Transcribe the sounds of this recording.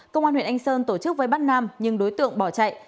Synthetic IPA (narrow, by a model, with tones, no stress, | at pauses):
kə˧wŋ͡ma˧hwḭ˧˨əʔŋ̟səː˧nt̪o˧˩t͡ɕɨ˦˥k̚vəː˨˦jɓaː˦˥t̚nːaː˧mɲɨ˧ŋɗo˨˦jt̪ɨ̰˧˨əŋɓɔ˧˩t͡ɕa̰˧˨j